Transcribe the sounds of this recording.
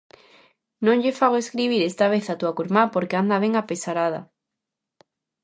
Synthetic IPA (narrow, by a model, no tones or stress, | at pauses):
nõŋʎefaɣoeskɾiβ̞iɾest̪aβ̞eθat̪uakuɾmapoɾkeand̪aβ̞eŋapesaɾaða̰